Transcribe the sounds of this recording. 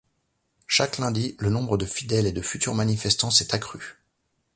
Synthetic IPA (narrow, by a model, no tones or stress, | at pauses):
ʃaklɛ̃d̪ilənɔ̃bʁəd̪əfid̪ɛled̪əfyt̪yʁmanifɛst̪ɑ̃sɛt̪akχy